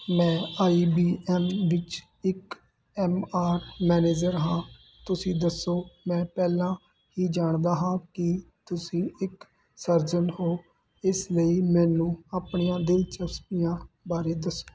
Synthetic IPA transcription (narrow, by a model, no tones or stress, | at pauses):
mɛ̃ːaːiːbiːɛːmʋɪt͡ʃ | ɪk | ɛːmaːɾmɛːneːd͡ʒəɾɦãː | t̪ʊsĩːd̪əsːoːmɛ̃ːpɛːlãː | ɦiːd͡ʒaːɳd̪aːɦãːkɪ | t̪ʊsĩːɪk | səɾzənhoː | ɪsləiːmɛ̃ːnũːaːpɳijãːd̪ɪlt͡ʃəspijãː | baːɾeːd̪əsːo̥ː